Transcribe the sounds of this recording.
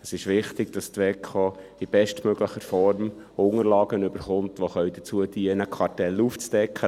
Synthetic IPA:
əsɪʃvɪχtɪɡd̥ɑstʋɛkʰoib̥ɛʃtmøɡ̥ləχəɾfɔɾm | ʊŋəɾlɑːɡ̥ənʏbəɾχʊmtʋoχœʏd̥ət͡suəd̥iənəkʰɑɾtɛlːuːft͡sd̥ɛkʰːə

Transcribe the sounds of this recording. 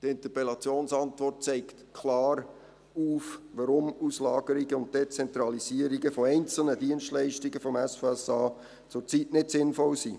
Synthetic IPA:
tɪntəpɛlɑt͡sjoːnsɑntvɔrt̚t͡sɛɪktkʰlɑːɾ | uːfʋɑɾʊmuslɑːɡ̥əɾiɡəʊnt̚d̥et͡sɛnt̪ɾɑliziəɾiɡəfɔɛɪnt͡sl̩nədiənstlɛɪʃtiɡəfɔmɛsfɛsɑː | t͡sʊɾt͡sitnɪtsɪnfɔlsḭː

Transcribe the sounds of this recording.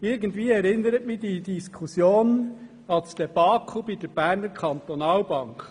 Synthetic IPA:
ɪɾɡən̩tviːɛɾɪnəɾətmɪd̥id̥iskʰusjoːn | ɑlsd̥ɛb̥ɑːkʰubid̥əɾb̥æːɾnəɾkʰɑnt̪onɑːlbɑŋk

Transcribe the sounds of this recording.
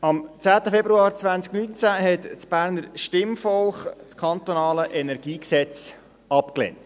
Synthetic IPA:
ɑmt͡sæːt̪əfɛbɾuɑːɾt͡sʋænt͡sknynt͡sæɦɛt̪t͡sb̥æːɾnəɾʃtɪmfɔlχt͡skʰɑnt̪onɑːləʔɛnɛɾɡ̥iːksɛt͡s | ɑpklḛnt

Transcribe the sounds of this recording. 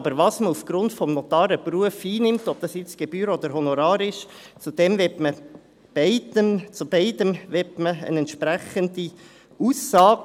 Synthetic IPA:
b̥əɾʋɑsməufɡ̥ɾʊntfɔmnɔt̪ɑːɾəpruəfiːnɪmtɔb̥̚d̥ɑsjɪt͡sɡ̥eb̥yːɾɔd̥̪əɾɦɔnɔɾɑːɾɪʃ | t͡sud̥̪ɛmvɛtmə | b̥ɛɪdəmt͡subɛɪdəmʋɛtməə̰nɛnt̪ʃpɾæχəndi | uːsɑːɡ

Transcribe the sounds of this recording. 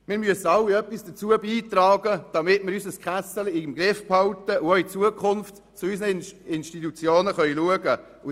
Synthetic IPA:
mɪːɾmyəsəɑlːiœpːisd̥ət͡suəbiːt̪ɾɑːɡəd̥ɑmɪtmɪːɾysəskχæsəliɪmɡɾɪfphɑwt̪əʔʊoit͡suəkʰχʊnft | t͡sʊysnəɪnʃtit̪ut͡sjoːnəχœiluəɡə | ʊ

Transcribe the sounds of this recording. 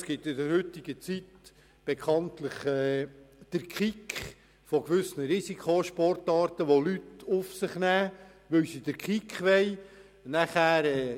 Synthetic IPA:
sɡ̥ɪtɪdəɾhʏtɪɡ̥ət͡sit | b̥ekʰɑntləχɛːd̥əɾkχikχ | fɔkʋʏsnəɾisikʰχoʃpɔɾtɑːɾtəʋolytʊfsɪχnæː | ʋɵwsid̥əɾkʰikχʋɛɪ | næχæːɾɛː

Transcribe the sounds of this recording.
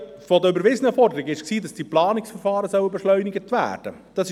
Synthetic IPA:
fɔdəybəɾvɪzənəfɔɾdəɾɪɡɪʃksiːdɑsd̥iplɑːnɪksfəɾfɑːɾəsœwəbɛʃlœʏnɪɡətʋæ̰ːɾd̥ə | d̥ɑsɪ

